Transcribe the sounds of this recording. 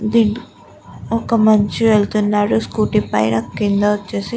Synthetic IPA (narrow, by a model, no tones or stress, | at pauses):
d̪iːn | ɔkɐmɐɲt͡ʃiʋeɭt̪unːaːɽuskuːʈipɐ̰jnɐkːind̪ɐʋɐt͡ʃːeːsi